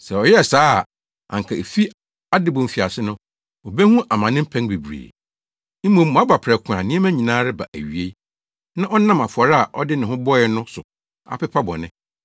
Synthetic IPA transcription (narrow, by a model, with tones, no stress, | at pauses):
sɛ˨ɔ˨jɛ˦ɛ˨saː˦˨ | ʔa̰˨ŋ˨kʰa˨e˨fi˦ | a˦dɪ˦bɔ̃˨m̩˨fi˨a˨sɪ˦nʊ̃˦ | ɔ˨bɛ˦hũ˦ʔa˨mã˨nɪ̃˦m̩˦pʰæ̃˦nbe˨bɾḛː˨ | m̩˦mõ˦˨mː˨ɔ̃˨a˦ba˨pʰɾɛ˨kʰʊ̃˨ã˨nɪ̃˦ɛ˦mæ̃˦ɲĩ˨nãː˦ɾɪ˦ba̰˨ʔæ̰˨ɥi˨e˦ | nã˦ʔɔ˦n˦ã˦ma˨fʊ˨ɔ˨ɾa˨ʔɔ̰˦dɪ˦nɪ̃˨hʊ̃˦bɔ˦ɪ˦nʊ̃˦sʊ˨ | a̰˨pɪ˦pʰa˦bɔ̰˨nɪ̃˦